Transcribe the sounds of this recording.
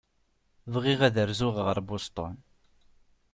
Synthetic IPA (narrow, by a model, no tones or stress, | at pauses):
vʁiʁæðəɾzʊʁʁəɾˤbʊst̪ˤo̰n